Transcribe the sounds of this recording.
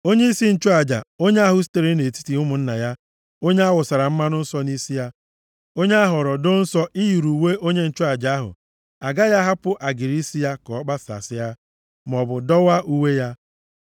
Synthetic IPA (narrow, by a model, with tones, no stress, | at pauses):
o˦ɲe˦i˦si˦n̩˦t͡ʃʊ˦a˨d͡ʒa̰˨o˦ɲe˦a˦ɦʊ˨s̬i̥˦te˨ɾe˦ne˨ti̥˦ti˨ʊ˦mʊ˨n̩˦na˨ja˦ | o˦ɲe˦a˦wʊ˨sa˨ɾa˨m̩˦ma˦nʊ˦n̩˦sɔ˦ni˦si˦ja˦ | o˦ɲ˦a˦ɦɔ˨ɾɔ˨do˦n̩˦sɔ˦ʔi˦ji˨ɾu˨we˦ʔo˦ɲe˦n̩˦t͡ʃʊ˦a˨d͡ʒa˨a˦ɦʊ̰˨ | a˨ɡa˦ja˦ɦa˦pʊ˦ʔa˨ɡi˨ɾi˦si˦ja˦kɔ˨ɔ˦k͡pa˦sa̰˨sɪ˦ja˦ | m˨ɔ˨bʊ˨dɔ˦wa˦ʔu˦we˦ja˦